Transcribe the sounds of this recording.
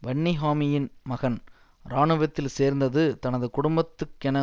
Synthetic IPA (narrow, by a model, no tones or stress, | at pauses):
ʋɐɳːɪɦaːmɪjɪnmɐɣɐn | ɾaːɳɯʋɐt̪ːɪlseːɾnd̪ɐðɯt̪ɐnɐðɯkʊɽʊmbɐt̪ːɯkːɛnɐ